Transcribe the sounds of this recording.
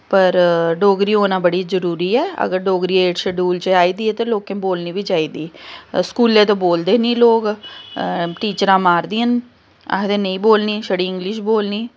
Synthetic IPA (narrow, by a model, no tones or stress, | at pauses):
pəɾɖoːɡɾiːoːnãːbəɽiːzəɾuːɾiːɛːə̰ɡəɾɖoːɡɾiːeːʈsəɖuːlt͡ʃaːiːd̪iːɛːt̪eːloːkẽːboːlniːbiːt͡ʃaːiːd̪iːskuːlːẽːt̪õːboːld̪eːnĩːloːk | ʈiːt͡ʃəɾãːmaːɾd̪iːən | a̰t̪ẽnəĩːboːlniːʃəɽiːɪ̃ŋɡlɪʃ̬boːlniː